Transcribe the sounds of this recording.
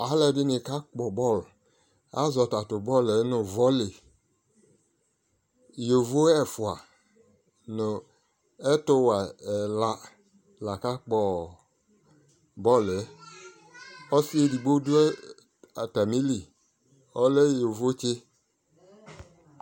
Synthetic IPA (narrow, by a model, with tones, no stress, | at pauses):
a˨˦lɛ˨dɪ˦nɪ˨ka˦k͡pɔ˨bɔ˦˨l | a̰˦zɔ˨ta˨tʊ˨bɔ˦le˦nʊ˨vɔ˦le˨ | jo˨vo˦ɛ˨fʊ˨a˨ | nʊ˨ | ɛ˦tʊ˦wa˨la˨ | la˨ka˦k͡pɔ˨ | bɔ˦˨le˨˦ | ɔ˦si˦e˦˨di˨ɡ͡bo˦du˦ɛ˦ | a˨ta˨mi˦li˨ | ɔ˦le˦jo˨vo˦t͡ʃɪ˦